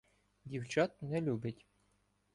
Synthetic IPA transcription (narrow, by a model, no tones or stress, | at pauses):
dʲiwt͡ɕɑt̪̚nɛlʲubʲɘtʲ